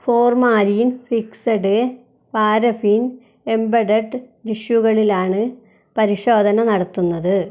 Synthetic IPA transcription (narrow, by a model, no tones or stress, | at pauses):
fo̞ːrmaːɾijnfiksɐɖɨ | paːɾɐfin | embɐɖɐʈːɨ | ɾiʂjuɣɐɭilaːɳɨ | pɐɾiʂo̞ːd̪ʱɐnɐnɐɽɐt̪ːunːɐðɨ